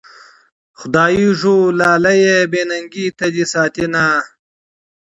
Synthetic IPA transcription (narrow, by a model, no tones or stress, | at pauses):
xʊd̪aːjiʐulaːlɐjebeːnɐŋɡiːt̪ɐd̪isaːt̪inaː